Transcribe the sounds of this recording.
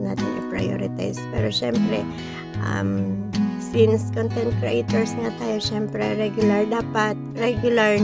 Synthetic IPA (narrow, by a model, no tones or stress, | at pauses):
naːt̪ɪnʔɐpɹa̰jo̰ɾɪt̪a̰jspɛ̰ːɾoʃɛmpɾɛ | ʔa̰msɪnskont̪ɛnt̪̚kɾejt̪ɛɹsŋat̪aːjoʃɛmpɾɛɾɛɡjʊlɐɹd̪aːpat̪̚ɾɛɡjʊlaɹ